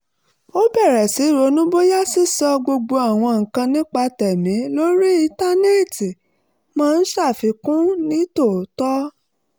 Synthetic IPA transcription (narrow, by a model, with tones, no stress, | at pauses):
o˦bɛ˦˨ɾɛ˨si˨˦i˦˨ɾo˨˧˦nũ˦bo˦ja˦si˦sɔ˧ɡ͡bo˧ɡ͡bo˧a˨w̃ɔ̃˧ŋ̩˨kã˧nĩ˦k͡pa˧tɛ˨mĩ˨˦lo˦ɾi˦i˧ta˦ne˦˨ti˨ | mãː˦˧n̩˦ʃa˦˨fi˨˧kũ˦nĩ˦to˦˨˦tɔ˦